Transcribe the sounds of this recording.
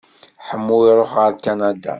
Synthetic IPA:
ħəmːuiɾˤoħʁəɾkanad̪a̰

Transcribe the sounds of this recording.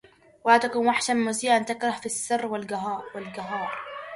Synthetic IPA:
wahaːt̪akʊnwaħʃammʊziːʔant̪ɪkɾˤɑhfisːɪrːwɪlɡaɦɑːwɪlɡaɦɑːɾˤ

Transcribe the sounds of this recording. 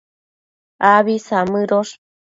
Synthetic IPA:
aβisamɨɾoʂ

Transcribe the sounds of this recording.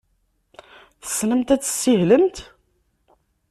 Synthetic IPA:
θə̥sləmt̪æt͡sːə̥sːiɦləmt̪

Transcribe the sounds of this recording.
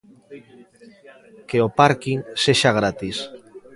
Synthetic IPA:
keopaɾkiŋseʃaɣ̞ɾat̪is

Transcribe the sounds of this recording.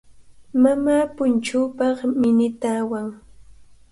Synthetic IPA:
mamaːpʊnt͡ʃuːpɑχmɪnɪt̪aːwaŋ

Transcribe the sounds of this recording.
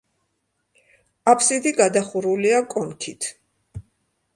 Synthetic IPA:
apʰsid̪iɡad̪aχuɾuliakʼɔnkʰit̪ʰ

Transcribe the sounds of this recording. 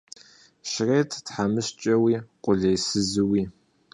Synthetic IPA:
ʃrejtʰtħamɨɕt͡ʃʼɐwiːqʷʼʊɮejsɨzɨwiː

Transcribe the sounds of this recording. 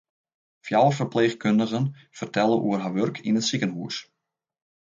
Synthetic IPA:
fjawəfərpleːxkøndəɣən | fərtʰɛlˠəʔuərɦaʋørkʰḭnətsikənɦuəs

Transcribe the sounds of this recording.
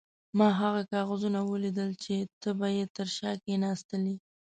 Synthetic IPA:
mɑɦaɣakɑɣazunawəlid̪əlt͡ʃet̪əbajet̪əɾʃɑkenɑst̪əli

